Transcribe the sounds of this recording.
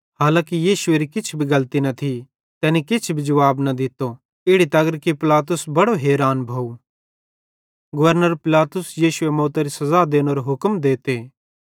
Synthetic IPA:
ɦaːlãːkijiːʃʊeːɾikɪt͡ʃʰbʱiɡɐlt̪inɐt̪ʰi | t̪ɛːnikɪt͡ʃʰbʱid͡ʒɐʋaːbnɐd̪ɪt̪o | ɪɽit̪ɐɡəɾkipɪlaːt̪̬ʊsbɐɽoɦeːɾaːnbʱaːu | ɡɐʋəɾnəɾpɪlaːt̪ʊsjiːʃʊemoːt̪aɾisɐzaːd̪eːñoːɾoɦʊkmd̪eːt̪eː

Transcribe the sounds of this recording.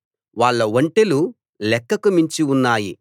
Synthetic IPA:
ʋaːɭːɐʋɐɳʈelu | lɛkːɐkumiɲt͡ʃiunːaːji

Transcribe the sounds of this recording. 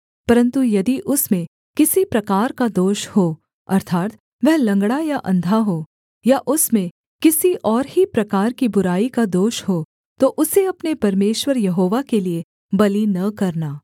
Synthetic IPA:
pɐɾə̃nt̪ujɐd̪iʔʊsmẽ | kɪsipɾɐkaːɾkad̪oːʃhoː | ɐ̰ɾt̪ʰaːt̪ | ʋɛɦlɐ̃ŋɡɽ̃ajaʔɐ̰̃nd̪ʱaɦoː | jaʔʊsmẽ | kɪsiʔɔːɾɦipɾɐkaːɾkibʊɾaːikad̪oːʃɦoː | t̪oʔʊseɐpnepɐɾmeːʃwəɾjɐɦoːʋakelie | bɐlinɐkɐɾnaː

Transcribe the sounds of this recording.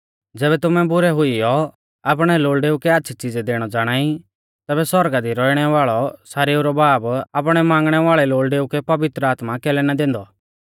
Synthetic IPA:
d͡zɛːβɛt̪ʊmɛ̃bʊɾɛɦʊijɔ | ap̬ɽ̃ɛloːlɖeːukɛɐtːʃʰit͡ʃid͡zɛd̪eːɽ̃ɔd͡zaːɽ̃aːi | t̪ɛːbɛsɔɾɡad̪iɾɔiɽ̃ɛʋaːɭɔsaːɾeːuɾɔbaːbapɽ̃ɛmãːŋɡɽ̃ɛʋaːɭɛloːɭɖeːukɛpɐʋɪt̪ɾəaːt̪makɛːlɛnad̪ẽːnd̪ɔ

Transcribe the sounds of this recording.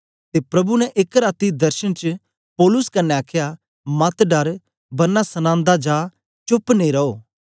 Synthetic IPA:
t̪epɾɐbunɛʔekɾaːt̪id̪ɐɾʃənt͡ʃə | pɔːlʊskɐnːẽaːkʰja | mɐt̪ɖɐɾ | bɐnːasɐnãːnd̪ad͡ʒaː | t͡ʃʊpneɾɐoː

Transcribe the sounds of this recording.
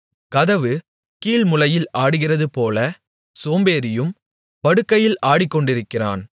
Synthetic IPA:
kɐðɐʋɯ | kiːlmʊlɐjɪlaːɽɯɣɪrɐðɯpoːlɐ | soːmbeːɾɪjɯm | pɐɽɯkːɐjɪlʔaːɽɪkːɔɳɖɪɾɯkːɪra̰ːn

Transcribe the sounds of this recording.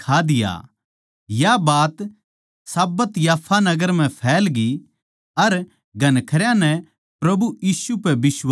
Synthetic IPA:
kʰaːd̪ɪja̰ | jabaːt̪ | saːbət̪jaːpʰːanɐɡəɾm̤ɛ̃pʰɛːlɡi | ɐɾ | ɡʱɐnkʰɐɾjãnɛ | pɾɐbuiːsupɛbɪs

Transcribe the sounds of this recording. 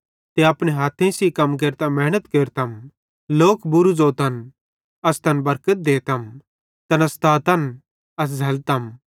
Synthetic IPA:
t̪eɐpɽ̃eɦaːt̪ʰẽsikɐmk̬eːɾt̪amɛːnət̪keːɾt̪ɐm | loːkbʊɾud͡zoːt̪ɐn | ɐst̪ɐnbɐɾkət̪̚d̪eːt̪ɐm | t̪ɐnɐst̪aːt̪ɐn | ɐs̬d͡zʱɐlt̪ɐm

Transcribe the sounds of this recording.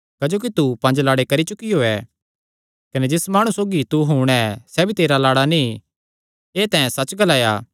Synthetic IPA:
kɐd͡ʒoːk̬it̪upɐ̃nd͡ʒlaːɽekɐɾit͡ʃʊkijoːɛː | kɐned͡ʒɪsmaːɽ̃usoːɡit̪uɦuːɽ̃ɛsɛːbʱit̪eːɾalaːɽani | eːt̪ɛ̃ːɛ̃sɐt͡ʃɡɐlaːja̰ː

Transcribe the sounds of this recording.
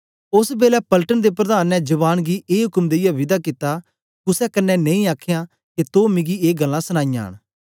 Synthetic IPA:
ʊsbeːlɛpəlʈənd̪eːpɾəd̪aːnːɛd͡ʒəβaːnɡiʔeːɦʊkəmd̪eɪjaʋɪd̪aːkɪt̪ːaː | kʊsɛkənːɛnẽĩaːkʰɪjãː | ket̪oːmɪ̃ɡieːɡəlːãːsəñaːɪja̰ːɳ̃

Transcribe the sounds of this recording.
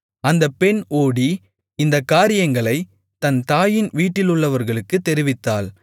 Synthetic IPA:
ɐnd̪ɐpːɛnoːɽi | ɪnd̪ɐkːaːɾɪjɐŋɡɐɭɐɪ | t̪ɐnt̪aːjɪnʋiːʈːɪlʊɭːɐʋɐɾɣɐɭɯkːɯt̪ːɛɾɪʋɪt̪ːaːl

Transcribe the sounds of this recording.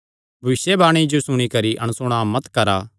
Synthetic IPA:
bʱɐʋɪsjebaːɽ̃id͡ʒosʊɽ̃ikɐɾiʔɐ̰ñsʊɽ̃amɐt̪kɐɾaː

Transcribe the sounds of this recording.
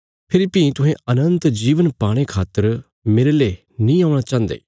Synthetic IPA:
pʰɪɾpĩːt̪ʊɦẽːənə̃nt̪d͡ʒiːʋənpaːɽ̃eːkʰaːt̪əɾ | meːɾeːleː | nĩːaːʊɽ̃aːt͡ʃãːnd̪ḛː

